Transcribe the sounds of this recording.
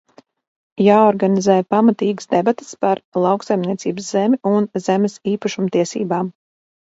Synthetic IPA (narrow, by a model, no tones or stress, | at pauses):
jaːɔɾɡanizɛːjpamat̪iːɡəsd̪ebat̪e̥spaɾlˠɑwksajmniɛtsiːbəszemʲiʔunzemʲɛsiːpaʃumt̪iɛsḭːbaːm